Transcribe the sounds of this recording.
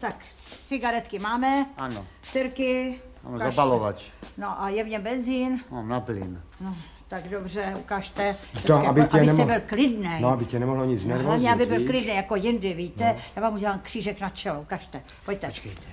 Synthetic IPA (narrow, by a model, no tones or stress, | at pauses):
t̪ak | sɪɡaɾɛt̪kɪmaːmɛano | sɛɾkɪ̰ | kaapalova̰cnoʔajɛvɲɛbɛnziːnmamnaplɪ̰nno | t̪aɡdobrɛukaːʃt̪ɛɛoabɪɛɛɛbɪlklɪdnɛnoabɪcɛnɛmoɦloɲit͡snɛɾvamɲɲɛabɪbɪlklɪdnɛjakojɪndɪvit̪ɛjaːvaːmuɟɛlaːmkr̥iːʒɛknat͡ʃɛloukaʃt̪ɛ | poct̪ɛokɛjt̪ɛ̥